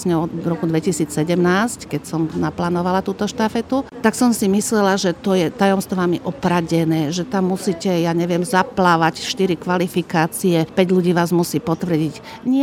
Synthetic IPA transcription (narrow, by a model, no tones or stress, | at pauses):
sɲɛɔd̪ɾɔkud̪ʋɛcisiːt͡ssɛɟɛmnaːsckɛcsɔmnaplaːnɔʋalat̪uːt̪ɔʃt̪afɛt̪ut̪aksɔmsimislɛlaʒɛt̪ɔjɛt̪ajɔmst̪ɔʋamiʔɔpɾaɟɛnɛːʒɛt̪amːusicɛjaɲɛʋɪɛmzaplaːʋacʃt̪iɾikʋalifikaːt͡siɛpɛɟʎuɟiːʋaːzmusiːpɔt̪ʋr̩ɟic | ɲɪɛ